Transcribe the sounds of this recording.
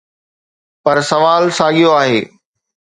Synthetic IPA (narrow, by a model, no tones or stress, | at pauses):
pɐɾsɐʋaːlsaːɠijoaːɦeː